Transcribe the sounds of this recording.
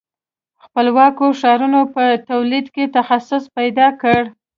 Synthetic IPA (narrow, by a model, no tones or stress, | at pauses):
xpəlwɑkoʂɑɾunopət̪awlid̪ket̪axasʊspajd̪ɑkəɽ